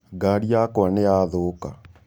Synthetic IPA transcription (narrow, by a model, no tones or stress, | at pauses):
ɡaɾiakaneaðoka